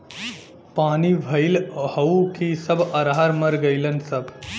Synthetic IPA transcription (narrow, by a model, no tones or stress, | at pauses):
paːniʋʱɐilhɐukisɐbʱɐɾɦaɾmɐɾɡɐilənsɐb